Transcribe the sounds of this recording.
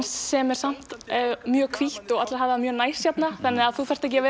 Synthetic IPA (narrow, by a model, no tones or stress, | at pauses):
nsːɛmɛɾ̥sam̥t̪mjœːkʰviht̪ɔɣat̪laɦaːvðɪamjœːnajsçɛt̪naθanːɪaðθufar̥t̪aɛcɪavɪ